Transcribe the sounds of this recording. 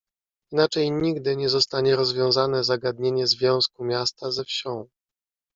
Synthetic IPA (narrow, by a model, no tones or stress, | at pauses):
inat͡ʂɛjɲiɡd̪ɘɲɛzɔst̪aɲɛɾɔzvʲjɔ̃w̃zanɛzaɡad̪ɲeɲɛzvʲjɔ̃w̃skumʲjast̪azɛfɕɔ̃w̃